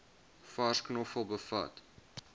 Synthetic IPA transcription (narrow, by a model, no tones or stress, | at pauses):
fasknɔfəlˠbəfɐ̰t